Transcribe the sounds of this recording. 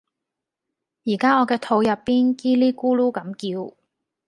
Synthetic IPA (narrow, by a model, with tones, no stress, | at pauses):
jiː˨˩kaː˥ŋɔː˨˧kɛː˧t̪ʰo˨˧wjɐ˨pːiː˥nkiː˥liː˥kuː˥luː˥kɐ˨˥mkiː˧w